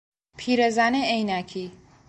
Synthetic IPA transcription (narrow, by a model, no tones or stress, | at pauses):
pʰiɾezaneejnækʰi